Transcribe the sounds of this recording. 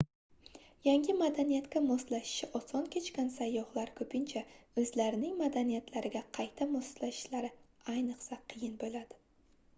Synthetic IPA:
jaŋʲɪmad̪anijat̪kʲamɒst̪laʃɪ̥ʃɪʔɒsɒnkʲʰe̞t͡ʃkʲansajːɒhlaɾkʰɵpʰɪnt͡ʃʰaɵzlaɾɪnɪŋmad̪anijat̪ʰlaɾɪɡʲaqʰɑjt̪ʰamɒst̪laʃɪ̥ʃlaɾɪ | ajnɨqsaqʰɨjɪnbolad̪̥ɪ

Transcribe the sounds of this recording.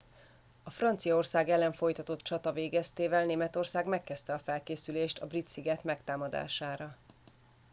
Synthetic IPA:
ɒfrɒnt̪sijɒorsaːɡɛlːɛɱfo̞jt̪ɒt̪o̞t̪t͡ʃɒt̪ɒveːɡɛst̪eːvɛlneːmɛt̪o̞rsaːɡmɛkːɛst̪ɛɒfɛlkeːsyleːʃt̪ɒbrit̪siɡɛt̪mɛkt̪aːmɒd̪a̰ːʃaːɾɒ

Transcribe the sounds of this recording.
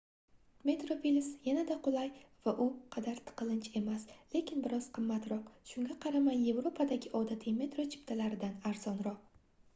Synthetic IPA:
me̞t̪ɾopilʲɪsjanad̪aqʰʊlˠajvaʔʊqʰɑd̪aɾt̪ʰɨ̥qɨlˠɪnt͡ʃʰe̞masle̞kʲʰɪnbɪɾɒz̥qʰɨmːat̪ɾɒqʃʊŋɡʲaqʰɑɾamaje̞vɾo̞pʰad̪aɡʲɪʔɒd̪at̪ʰɪme̞t̪ɾo̞t͡ʃʰɪ̥pt̪ʰalaɾɪd̪anaɾzɒnɾɒq̚

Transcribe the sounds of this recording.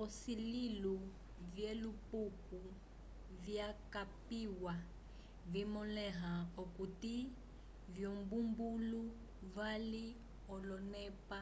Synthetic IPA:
ɔsililu | vjɛlupuku | vjakapiwa | vimɔlɛɦaokuti | vjɔmbumbulu | vali | ɔlɔnɛpa

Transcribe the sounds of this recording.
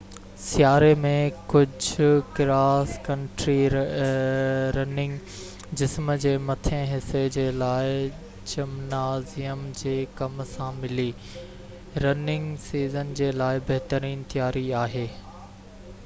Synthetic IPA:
sjaːɾemẽkʊd͡ʑʱkɾaːskɐ̃ɳʈɾi | ɾɐnɪ̃ŋɡ | d͡ʑɪsmd͡ʑeːmɐt̪ʰẽɦɪsed͡ʑeːlaːɪ | t͡ɕɐmnaːzijəmd͡ʑeːkɐmsãmɪli | ɾɐnɪ̃ŋɡsiːzənd͡ʑeːlaːɪbɐɦt̪əɾiːnt̪ijaːɾiaːɦeː

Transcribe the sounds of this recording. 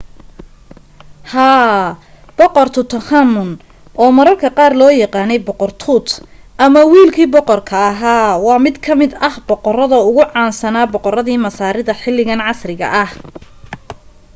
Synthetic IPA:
haː | b̥ɔqɔrt̪ʰʊt̪ʰɐħamʊn | ʔɔːmɐɾɐlkʰɐqɑːrlɔːjɑqɑːnɛjbɔqɔrt̪ʰuːt̪ | ʔɐmɐwiːlkʰiːbɔqɔrkʰɐːɦaːwɑːmɪd̪kʰɐmɪd̪ɐhbɔqɔrɐðɐʊɣʊʕɑːnsɐnaːbɔqɔɾɐðiːmɐsaːɾɪðɐħɪlːɪɣɐnʕɑsrɪɣɐ̰ʔɐh

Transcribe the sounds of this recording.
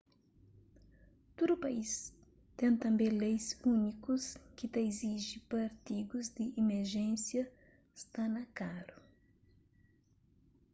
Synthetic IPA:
t̪od̪upais | t̪ẽt̪ɐ̃mbẽlejsunikʊskɪt̪ɐiziʒipaɾt̪iɡʊzd̪ɪʔimeɾʒẽsjɐ | st̪anɐkaɾʊ

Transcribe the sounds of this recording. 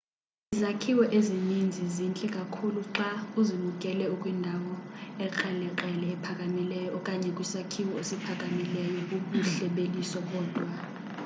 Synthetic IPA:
izakʰiwɔʔezinind͡zʱizint͡ɬʼɛkʼakʰuluǁauzimukʼɛlɛukʼwindʱawɔɛǃɛlɛǃɛlɛːpʰakʼamilɛjɔkʼaɲʼʱɛkʼwisakʰiwɔesipʰakʼamilɛjɔkuuɬɛɓelisɔɓɔːd̥ʱwa

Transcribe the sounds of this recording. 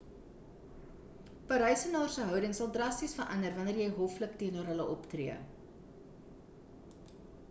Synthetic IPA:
pɐɾœjsənɑːrsəɦœwdəŋsɐlˠdrɐstisfərʔɐ̰ndərvɐnərjɛjɦɔflək̚tiənorɦələʔɔptriə

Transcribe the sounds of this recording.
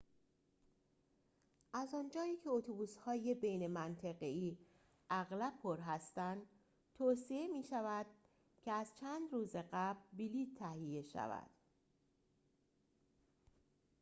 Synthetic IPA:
ʔæzɒnd͡ʒɒːiːcʰe̞ot̪ʰobuːshɒːje̞be̞jnemænt̪ʰeɣeiː | ʔæɣlæb̚ʰpʰoɾɦæst̪ænd̪ | t̪ʰoːsiemiːʃævæd̪̥̚ | cʰe̞æz̥t͡ʃʰænd̪ɾuːze̞ɢæblbiliːt̪ʰːæhije̞ʃæ̰væ̰d̪̥

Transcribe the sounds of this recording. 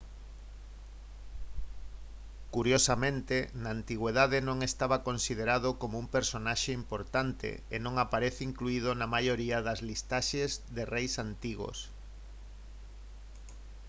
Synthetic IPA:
kuɾjosamẽnt̪enaːnt̪iɣweðaðenõŋest̪aβakonsiðeɾaðokomoumpeɾsonaʃeimpoɾt̪ant̪ḛenõŋapaɾeθiŋkluiðonamajoɾiaðɐzlist̪aʃezðerejsant̪iɣo̰s

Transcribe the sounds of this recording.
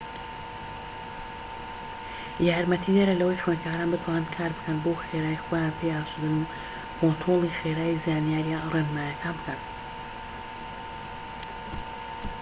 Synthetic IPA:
jaːɾmɐt̪ʰid̪ɐɾɐlɐwɐjxɥeːnkʰaːɾaːnbɨt̪ʰwaːnɨnkʰaːɾbɨkʰɐnboːxeɾaːwixojaːnpʰejaːʃud̪ɨnu | kʰont̪ʰɾoːlˠixeɾaːwizaːnijaːɾijarenmaːjɐkʰaːnbɨkʰɐn

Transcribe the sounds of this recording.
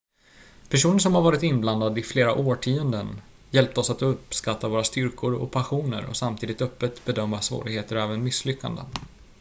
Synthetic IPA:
pʰæʂuːnəʂ̬ɔmhaɾvɑːɾɪt̪ɪnbland̪ad̪ɪfleːɾaʔoːʈʰiːənd̪ən | jɛlp̚t̪əɔsat̪ɵpskat̪ːavoːɾast̪ʏɾkʰʊɾɔ̰pʰaɧuːnə̰ɾɔ̰samt̪ʰiːd̪ɪt̪œpːət̪bɛd̪œmːasvo̰ːɾɪɡheːt̪əɾɔɛːvənmɪsːlʏkːa̰nd̪ə̰

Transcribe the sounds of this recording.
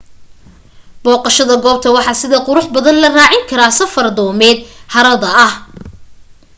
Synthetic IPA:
b̥ɔːqɑʃɐðɐɡɔːb̚t̪ʰɐwɑħɑsɪðɐqʊɾʊħbɐðɐnlɐraːʕɪŋkʰɐɾaːsɐfɐrd̪ɔːmɛːd̪̚hɐɾɐðɐɐh

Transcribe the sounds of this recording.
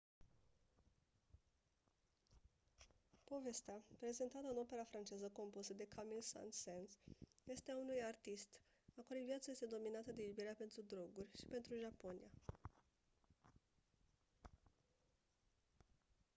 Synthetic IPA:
po̞ve̞st̪eapɾe̞ze̞nt̪at̪əɨno̞pe̞ɾafɾant͡ʃe̞zəko̞mpusəd̪e̞kʰamilsa̰nt̪sensje̞st̪eaunujart̪ist̪ | akoɾivjat̪səje̞st̪e̞d̪o̞minat̪əd̪ejubijeɾeape̞nt̪ɾud̪ɾo̞ɡurʲʃi̥pe̞nt̪ɾuʒapo̞nḭja

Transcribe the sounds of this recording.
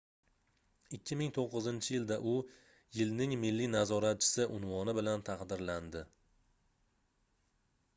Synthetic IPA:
ɪkʲʰːɪmɪŋt̪ʰoqːɨzɪnt͡ʃʰɪjɪld̪aʔʊ | jɪlnɪŋmɪlːinazɒɾat̪̚t͡ʃʰɪ̥sɪʔʊnvɒnɪbɪlant̪ʰɑqd̪ɪɾland̪ɪ

